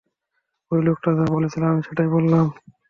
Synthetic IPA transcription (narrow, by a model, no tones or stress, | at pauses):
ojlokʈad̪abolet͡ɕʰilamiʃeʈajbolːam